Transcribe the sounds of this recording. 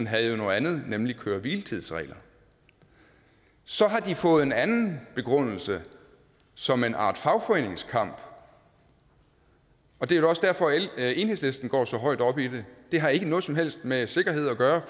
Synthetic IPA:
nɦæð̩ˠjo̝noːð̩ˠænð̩ˠnemlikʰøːɐʋilt͡sʰið̰ˠsʁɛ̰ːlɐ | sɒ̽ɦɑ̈d̥ifɔ̽ːð̞̩ˠe̝nænn̩b̥e̝ɡ̥ʁɔn̰l̩sə | sɒ̽me̝nʔɑ̰̈ːd̥fɑ̈ʊfɒ̽e̝ːne̝ŋskʰɑ̈m̰b̥ | ɒ̽d̥e̝æɐj̥o̝ɒ̽sd̥æɐ̰fɒ̽e̝ːnhe̝̰sle̝sd̥n̩ɡ̥ɒ̰ːsɒ̽ɦɒ̽ɪ̰d̥ɒ̽b̥id̥e̝d̥e̝ɦɑ̈e̝ɡ̥ənɔ̽ːð̞̩ˠsɒ̽mɦel̰sd̥mese̝ɡ̥ɐɦe̝ð̞̰ˠɒɡ̥ɶːɐ

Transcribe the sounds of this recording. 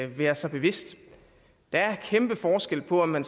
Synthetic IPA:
ʋæːɐsɑ̈ɪb̥e̝ʋe̝sd̥ | d̥ɑ̈æɐkʰemb̥əfɒːsɡ̥el̰pʰɒ̽ɒmːæns

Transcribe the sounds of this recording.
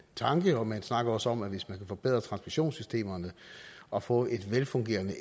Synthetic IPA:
t͡sʰɑ̈ŋɡ̥əɒ̽mænsnɑ̈ɡ̥ɐɒ̽səɒ̽mæʋe̝smænkʰæfɒ̽b̥e̝ð̞̰ˠʁɐt͡sʰʁɑ̈nsmiɕo̝̰ːnsysd̥e̝̰ːmɐnəɒ̽fɔ̰̽ːʔe̝d̥ʋelfɔ̽ŋɡ̥e̝̰ːɐnə

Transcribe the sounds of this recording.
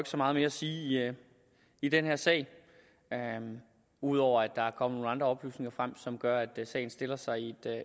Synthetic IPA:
øɡ̥sɒ̽mɑ̈ːð̞̩ˠme̝ːɐæsiːi | id̥enheɐ̰sɛ̰ɪ | ø | uð̞̰ˠɒʊ̰ɐæd̥ːɑ̈æɐkʰɒ̽m̰əno̝ːnɑ̈nd̥ʁɐɒ̽b̥ly̰ːsne̝ŋɐfʁam̰sɒ̽mɡ̥ɶɐæd̥sɛ̰ɪn̩sd̥e̝l̰ɐsɑ̈ɪie̝d̥

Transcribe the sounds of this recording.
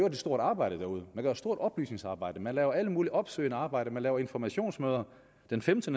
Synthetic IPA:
øɐd̥eso̝ɐɾ̥ɑ̈ːb̥ɑ̈ɪ̰ɾ̥əd̥æɐuð̞ˠəmænɡ̥øɐsd̥o̝ɐ̰d̥ɒ̽b̥ly̰ːsne̝ŋsɑ̈ːb̥ɑ̈ɪ̰d̥əmænlɛːʊɐæləmuːliʔɒ̽b̥sø̰ɪnəɑ̈ːb̥ɑ̈ɪ̰ɾ̥əmænlɛːʊɐe̝nfɒmæɕo̝̰ːnsmøːð̞ˠɐ | d̥enfemd̥ənə

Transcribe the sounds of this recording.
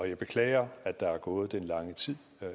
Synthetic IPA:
ɒ̽jɑ̈ɪb̥e̝kʰlɛ̰ːɪɐæd̥d̥ɑ̈æɐɡ̥ɔ̽ːð̞̩ˠd̥enlɑ̈ŋət͡sʰið̰ˠ

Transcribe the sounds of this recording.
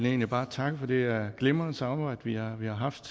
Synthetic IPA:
le̝ːnlib̥ɑ̈ːt͡sʰɑ̈ɡ̥əfɒ̽d̥e̝æɡ̥lemɐnsɑ̈ɑb̥ɑ̈ɪ̰d̥əʋiɑʋihɑ̈ɦɑ̈fd̥

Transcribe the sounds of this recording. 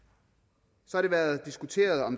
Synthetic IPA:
sɒ̽hɑ̈ɾ̥e̝ʋæɐð̩ˠd̥isɡ̥ut͡sʰe̝̰ːɐð̞ˠɒ̽m

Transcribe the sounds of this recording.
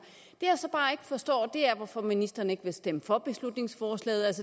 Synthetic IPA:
d̥e̝jasɒ̽b̥ɑ̈ːe̝ɡ̥əfɒ̽sd̥ɒ̰ːd̥e̝æɐʋɒfɒ̽minisd̥ɐːnəe̝ɡ̥ʋe̝sd̥eməfɒ̽b̥e̝slud̥ne̝ŋsfɒːslɛ̰ːð̩ˠælsə

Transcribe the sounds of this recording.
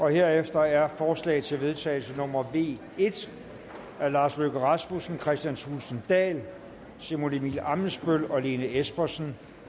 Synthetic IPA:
ʔɒ̽he̝ɐ̰efd̥ɐæɐfɒːslɛ̰ːɪð̩ˠt͡sʰe̝lʋe̝ð̞ˠt͡sʰɛ̰ːl̩sənɔ̽mɐʋe̝̰ː | e̝d̥ | æɐlɑ̈ːsløɡ̥əʁɑsm̥usn̩kʰʁɛsd̥jænsʰulsn̩d̥ɛ̰ːl | semolemḭlɑ̈mn̩sb̥ølɒ̽le̝ːnəesb̥ɐsn̩

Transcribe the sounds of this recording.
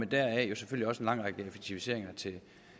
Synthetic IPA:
mend̥æɐ̰ɛjo̝seføl̰liɒ̽senlɑ̈ŋ̰ʁɑɡ̥əefeɡ̥̚t͡sʰiʋise̝ɐ̰eŋɐt͡sʰe̝

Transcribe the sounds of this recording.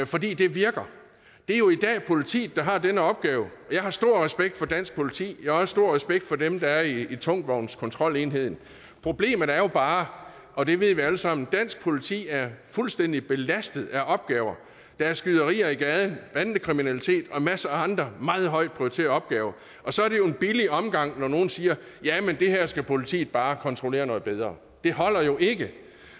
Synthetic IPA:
fɒ̽d̥ḭːd̥e̝ʋiɐɡ̥ɐ | d̥e̝æɐjo̝id̥ɛ̰ːpʰo̝lit͡sʰḭːd̥ɑ̈ɦɑ̈d̥enəɒ̽b̥̚ɡ̥ɛːʊjɑ̈ɪɦɑ̈sd̥o̝ɐ̰ʁɛsb̥eɡ̥̚d̥fɒ̽d̥æn̰sɡ̥̚pʰo̝lit͡sʰḭːjɑɒ̽sə̥sd̥o̝ɐ̰ʁɛsb̥eɡ̥̚d̥fɒ̽demd̥ɑ̈æɐiːt͡sʰɔ̽ŋ̰d̥ʋɒʊnskʰɒ̽nt͡sʰʁɒ̽l̰e̝ːnɦe̝ð̰ˠn̩ | pʰʁo̝b̥le̝̰ːmɐð̩æɐjo̝b̥ɑ̈ː | ʔɒ̽d̥e̝ʋe̝ð̞̰ˠʋiæləsɑ̈m̰n̩d̥æn̰sɡ̥̚pʰo̝lit͡sʰḭːæɐfulsd̥en̰d̥ib̥e̝læsd̥ð̩ˠæʔɒ̽b̥̚ɡ̥ɛːʊɐ | d̥ɑ̈æɐsɡ̥yðˠɐʁḭːɐiɡ̥ɛːð̞ˠnʋænd̥əkʰʁiminælit͡sʰe̝̰ːd̥ɒ̽mæsəæɑ̈nd̥ʁɐmɑ̈ːð̞̩ˠɦɒ̽ɪd̥̚pʰʁiot͡sʰe̝̰ːɐɒ̽b̥ɡ̥ɛːʊɐ | ʔɒ̽sɒ̽æɐɾe̝joe̝nb̥iliɒ̽mɡ̥ɑ̈ŋ̰nɒno̝ːn̩siːɐ | jæmend̥e̝hæɐ̰sɡ̥æpʰo̝lit͡sʰḭːð̩ˠb̥ɑ̈ːkʰɒ̽nt͡sʰʁole̝̰ːɐnɔ̽ð̩ˠb̥eð̞ˠʁɐː | d̥e̝ɦɒ̽l̰ɐjo̝ʔe̝ɡ̥ə

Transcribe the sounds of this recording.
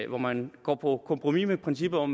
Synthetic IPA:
ʋɒmænɡ̥ɒ̰ːpʰɒ̽kʰɔ̽mpʰʁomimepʰʁɛnsib̥ɐɒm

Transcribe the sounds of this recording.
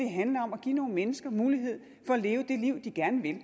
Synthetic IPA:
eɦænlɐɒ̽mæɡ̥ḭːno̝ːn̩menəsɡ̥ɐmuːliɦe̝ð̰ˠ | fɒ̽æle̝ːʊəd̥e̝liʊ̰d̥iɡ̥æɐnəʋe̝l

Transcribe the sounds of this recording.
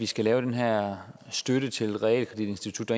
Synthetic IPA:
isɡ̥ælɛːʊɾ̥enɦæɐ̰sd̥øɾət͡sʰe̝lʁɛɛ̰ːlkʰʁɐd̥id̥e̝nsd̥it͡sʰud̥ːɑ

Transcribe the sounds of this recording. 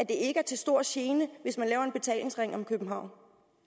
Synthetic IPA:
æd̥e̝e̝ɡəæɐt͡sʰe̝lsd̥o̝ɐ̰ɕe̝ːnəʋe̝smænlɛːʊɐe̝nb̥e̝t͡sʰɛ̰ːle̝ŋsʁaŋ̰ɒ̽mkʰøb̥m̩ɦɑ̈ʊ̰n

